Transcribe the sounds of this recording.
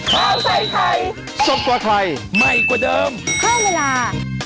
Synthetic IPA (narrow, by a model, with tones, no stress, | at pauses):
kʰaː˧˥˩wsʰa˧˩jkʰa˧˩j | so˨˩p̚kwaː˨˧kʰla˧jma˧˩jkwaː˨˧˩dɤː˧mkʰaː˥˩weː˧laː˧